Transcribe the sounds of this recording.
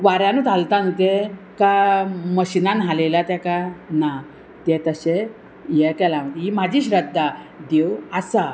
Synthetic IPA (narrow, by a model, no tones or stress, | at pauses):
ʋaɾjãnuːt̪ʰalt̪anut̪e | kaməɕinanɦalelat̪jakana | t̪ɛ̃t̪əɕe | jɛkɛlaməim̤ad͡ʑʱiːɕɾəd̪ːad̪ewasa